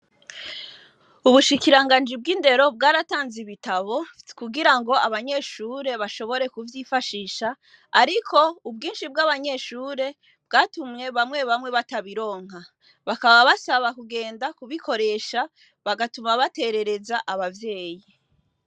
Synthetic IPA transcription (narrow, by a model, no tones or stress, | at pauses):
uβuʃikiɾaŋɡaːnd͡ʒib̚ɡiːnde̞ɾo̞b̚ɡaːɾataːnziβitaβo̞kuɡiɾaŋɡo̞aβaɲe̞ʃuːɾe̞βaʃo̞βo̞ɾe̞kuvjifaʃiːʃaː | ɾikʰo̞ub̚ɡiːnʃib̚ɡaβaɲe̞ʃuːɾe̞ | b̥ɡaːtumɲe̞βamŋwe̞βamŋe̞βataβiɾo̞ːŋ̥ɦa | βakaβaβasaβakuɡe̞ːndakuβikʰo̞ɾe̞ːʃa | βaɡatumaβate̞ɾe̞ɾe̞zaʔaβavje̞ːji